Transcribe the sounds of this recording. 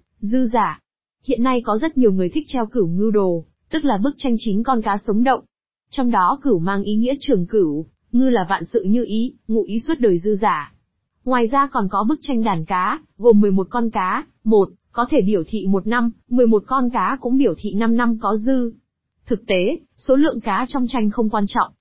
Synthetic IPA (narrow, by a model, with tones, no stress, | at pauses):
zɨ˧zaː˧˩ | hḭ˧˨ənːa˧jkɔ˨˦zə˦˥t̚ɲi˨˩əwŋɨ˨˩əjt̪ʰï˦˥k̚t̪ʰɛ˧wkɨ˧˩wŋɨ˧wɗo˨˩ | t̪ɨ˦˥k̚laː˨˩ɓɨ˦˥k̚t͡ɕa˧jŋ̟t͡ɕi˨˦nkɔ˧nkaː˨˦sə˨˦wŋ͡mɗə̰˧˨wŋ͡m | t͡ɕɔ˧wŋ͡mɗɔ˨˦kɨ˧˩wmaː˧ŋʔi˨˦ŋḭ˧˥ət͡ɕɨ˨˩əŋkɨ˧˩w | ŋɨ˧laː˨˩va̰ː˧˨nsɨ̰˧˨ɲɨ˧ʔi˨˦ŋṵ˧˥ʔi˨˦swə˦˥t̚ɗəː˨˩jzɨ˧zaː˧˩ | ŋwaː˨˩jzaː˧kɔ˨˩nkɔ˨˦ɓɨ˦˥k̚t͡ɕa˧jŋ̟ɗaː˨˩nkaː˨˦ | ɣo˨˩mːɨ˨˩əjmo˨˩t̚kɔ˧nkaː˨˦ | mo˨˩t̚kɔ˨˦t̪ʰe˧˩ɓi˧˩əwt̪ʰḭ˧˨mo˨˩t̚na˧mːmɨ˨˩əjmo˨˩t̚kɔ˧nkaː˨˦kʊ̰˧˥ŋ͡mɓi˧˩əwt̪ʰḭ˧˨na˧mna˧mkɔ˨˦zɨ˧ | t̪ʰɨ˨˩k̚t̪e˨˦ | so˨˦lɨ̰˧˨əŋkaː˨˦t͡ɕɔ˧wŋ͡mt͡ɕa˧jŋ̟xə˧wŋ͡mkwaː˧nt͡ɕɔ̰˧˨wŋ͡mʔ